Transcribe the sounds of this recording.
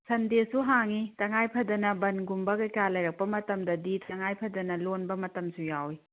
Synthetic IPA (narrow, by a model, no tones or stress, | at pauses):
sɐndesuɦaŋitɐŋajpʰɐdɐnɐbɐnɡumbɐɡɐkalɐjɾɐk̚pɐmɐtɐmdɐditʰɐŋajpʰɐdɐnɐlonbɐmɐtɐmsujawi